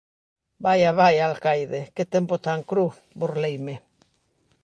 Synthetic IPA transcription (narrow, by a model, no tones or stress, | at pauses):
bajaβajalkajðeket̪empot̪aŋkɾu | boɾlejme